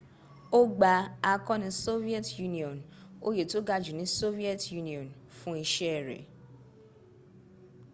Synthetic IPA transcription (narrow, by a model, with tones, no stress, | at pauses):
o˦ɡ͡ba˨˧a˧kɔ̃˦nĩ˧˦so˦vi˦ɛ˦tju˦nĩ˦˨ɔ̃˨no̰˦je˨to˦ɡa˧d͡ʒu˨nĩ˨˦so˦vi˦ɛ˦tju˦nĩ˨ɔ̃˨n | fũ˦i˧ʃɛ˦ɛ˨ɾɛ̰˨